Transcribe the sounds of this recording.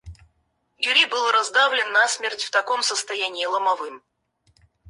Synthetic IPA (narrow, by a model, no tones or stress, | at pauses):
jʊɾʲibɨlˠɾɐzd̪avlʲɪnːasmʲertʲft̪ɐko̞msəst̪ɐjænʲɪːlˠəmɐvɨm